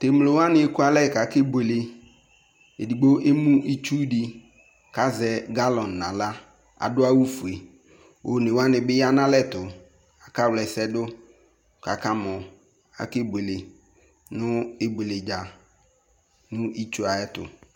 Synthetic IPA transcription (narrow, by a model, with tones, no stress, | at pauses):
te˨mlo˨wa˦nɪ̃˨˦e˦ku˦a˦lɛ˦˨ka˨˦ke˦be˨le˨ | e˨di˨ɡ͡bo˦ʔe˦mũ˦ʔi˦t͡ʃu˦dɪ˨ | ka˨zɛ˨ɡa˦lɔ˨nː˨ã˨la˦ | a̰˨dʊ˦a˦wu˦fu˨e˨ | o˨nɪ̃˨wa˦nɪ̃˨bɪ˦ja˦nã˦lɛ˦˨tʊ˨ | a˨ka˦wlɛ˨sɛ˦dʊ˦ | ka˨ka˦mɔ̃˨ | a̰˨ke˦be˨le˨ | nʊ˦e˦be˨le˨d͡ʒa˨ | nʊ̃˦i˦t͡ʃu˦a˨ɛ˦tʊ̰˨